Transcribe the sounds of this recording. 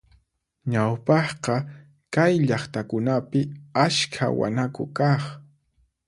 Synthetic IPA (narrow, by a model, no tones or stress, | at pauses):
ɲawpɑχqɑ | kajʎɑχt̪akʊnapɪaskʰa̰wa̰nakʊ̰kɑχ